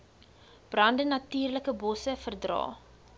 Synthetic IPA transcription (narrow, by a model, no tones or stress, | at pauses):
b̥rɐndənɐtyːrləkəbɔsəfərdrɑ̰ː